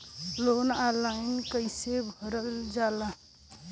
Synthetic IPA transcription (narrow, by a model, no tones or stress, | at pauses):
lonalaɪnkəɪsebʱəɾəld͡ʒala